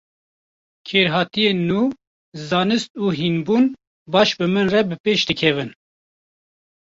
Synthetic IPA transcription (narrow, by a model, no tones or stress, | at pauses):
kʰeːɾɦɑːt̪ijeːnːuː | zɑːnɨst̪uːɦinbuːn | bɑːʃbɨmɨnrɛbɨpeːʃd̪ɨkʰɛvɨn